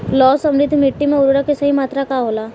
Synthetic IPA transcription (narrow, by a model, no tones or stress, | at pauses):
lɔːsɐ̃mɾɪd̪ʱːmɪʈːimẽʊɾɾəkesɐɦimaːt̪ɾakaɦoːlaː